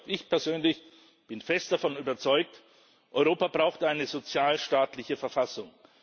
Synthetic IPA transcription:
ʔɪçpʰɛɐzøːnlɪç | b̥ɪnfɛstd̥afɔnyːbɐt͡sɔʏk̚t | ʔɔʏʁoːpabʁaʊxtəʔaɪnəzot͡sjaːlʃtaːtlɪçəfɛɐfasʊŋ

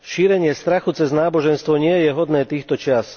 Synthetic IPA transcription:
ʃiːɾɛɲɪɛst̪ɾaxut͡sɛznaːbɔʒɛnst̪ʋɔɲɪɛjɛɦɔd̪nɛːt̪iːxt̪ɔt͡ʃɪas

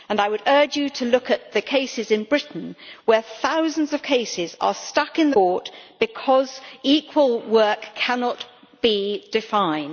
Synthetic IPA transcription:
ə̃naɪwəɾɜ˞d͡ʒjɨɾʰəlʊkɨt̪̚ðɨkʰeɪsɪzɨ̃nbɹɪʔn̩wə˞θaʊz̃n̩zʌv̥kʰeɪsɪzə̰˞stʌkɨ̃nðəɔɹtb̥ɨkʰɒzikʰwəlˠwɜ˞kʰænɑt | b̥id̥ɨfãɪ̃n

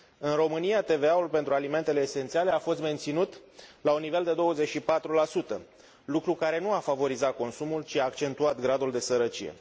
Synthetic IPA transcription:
ɨnɾo̞mɨniat̪e̞ve̞aulpe̞nt̪ɾualime̞nt̪e̞le̞ːse̞nt̪siale̞afo̞st̪me̞nt̪sinut̪launːive̞ld̪e̞d̪o̞wəzet͡ʃʃipat̪ɾulasut̪ə | lukɾukaɾe̞nuafavo̞ɾizat̪̚ko̞nsumult͡ʃiaːkt͡ʃe̞nt̪uat̪ɡɾad̪uld̪e̞səɾət͡ʃḭje̞̰

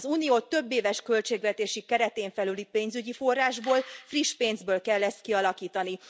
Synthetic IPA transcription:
zuːnioːt̪ø̞bːeːvɛʃkø̞lt͡ʃeːɡʋɛt̪eːʃikɛɾɛt̪eːɱfɛlylipeːnzyɟifo̞rːaːʒboːlfriʃpeːnzbøːlkɛlːɛst̪̚kiɒlɒkiːt̪ɒni

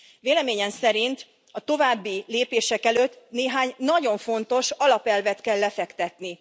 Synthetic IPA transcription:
veːlɛmeːɲɛmsɛɾint̪ | ɒt̪o̞vaːbːileːpeːʃɛkɛløt̪ːneːɦaːɲnɒɟo̞ɱfo̞nt̪o̞ʃɒlɒpɛlvɛt̪kɛlːɛfɛkt̪ɛt̪ni

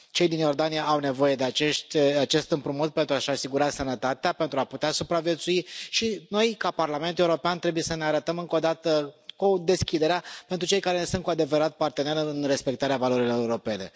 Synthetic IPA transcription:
t͡ʃe̞jd̪injo̞rd̪anijaʔawne̞vo̞je̞d̪eat͡ʃeʃt̪ʲat͡ʃe̞st̪ɨmpɾumut̪̚pent̪ɾuaʃasiɡuɾasənət̪at̪eape̞nt̪ɾuaput̪easupɾavje̞t̪suiʃino̞jkaparlame̞nt̪uleuɾopeant̪ɾe̞buje̞səne̞aɾət̪əmɨŋko̞d̪at̪əkud̪e̞skʲid̪e̞ɾeapent̪ɾut͡ʃe̞jkaɾesun̚kuad̪e̞vəɾat̪̚part̪e̞ne̞ɾɨnre̞spe̞k̚t̪aɾeavalo̞ɾilo̞euɾo̞pe̞ne̞

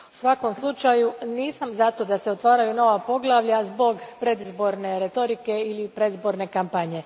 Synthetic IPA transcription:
u̥sʋako̞mslˠut͡ʃajuniːsamzat̪o̞d̪aseot̪ʋaːɾajuno̞ʋapo̞ɡlˠaʋʎazbo̞ɡpɾe̞d̪izbo̞ɾne̞ɾet̪o̞ɾike̞ilipɾe̞d̪izbo̞ɾne̞kampaɲe̞

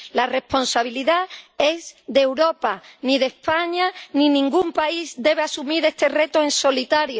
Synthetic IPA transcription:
lare̞spo̞nsaβiliðae̞zðewɾo̞paniðe̞spaɲanĩnĩŋɡumpaizd̪e̞β̞easumiɾe̞st̪e̞re̞t̪oenso̞lit̪aɾjo

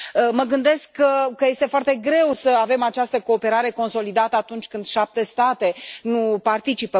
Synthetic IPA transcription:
əməɡɨnd̪e̞skːəkːəje̞st̪e̞foart̪e̞ɡɾe̞wsəave̞mat͡ʃast̪əko̞ːpe̞ɾaɾe̞ko̞nso̞lid̪at̪əat̪unt͡ʃʲkɨnd̪ʃap̚t̪e̞st̪at̪e̞nupart̪it͡ʃipə

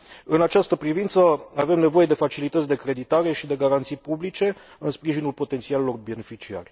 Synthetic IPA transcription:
ɨnat͡ʃast̪əpɾivint̪səave̞mne̞vo̞jed̪e̞fat͡ʃilit̪ət̪sʲd̪e̞kɾe̞d̪it̪aɾe̞ʃid̪e̞ɡaɾant̪sijpublit͡ʃe̞ | ɨnspɾiʒinulpo̞t̪e̞nt̪sialelo̞rbe̞ne̞fit͡ʃia̰rʲ

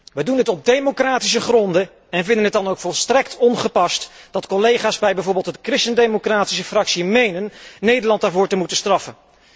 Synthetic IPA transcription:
ʋədundɪtɔb̚dejmokraːtis̬əχrɔndə | ɛnvɪndənɦətdɑnowkfɔlˠstrɛktʰɔnχəpɑstd̥ɑtkɔlejχaːsbɛjbɛjvʊːɹbɪlˠtətkrɪstəndejmokraːti̥s̬əfrɑksimejnənːejdəɹlɑntaːɹvʊːɹtəmutəstrɑfən

